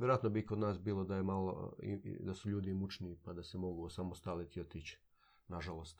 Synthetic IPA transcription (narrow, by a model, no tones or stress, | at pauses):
jeɾojat̪nobikod̪naːsbiːlˠo̞d̪ajemalˠo̰ḭd̪asuʎuːd̪imut͡ʃnipad̪asemo̞ɡuosamost̪alit̪iot̪iːt͡ɕ | naʒalˠo̞st̪